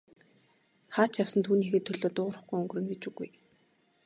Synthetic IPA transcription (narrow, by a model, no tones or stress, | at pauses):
χaːt͡ɕjawsə̆nt̪ʰuːniːxeːt̪ʰːɵɮoːt̪ʊːʁ̆rə̆χɡujɵŋɡ̆rɘ̆ŋɡet͡ɕuɣṵj